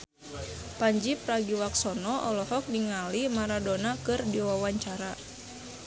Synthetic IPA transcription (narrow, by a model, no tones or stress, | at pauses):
paɲd͡ʒipɾaɡiwaksɔnɔʔɔlɔhɔk̚niŋalimaɾadonakɨrdiwawaɲt͡ʃaɾa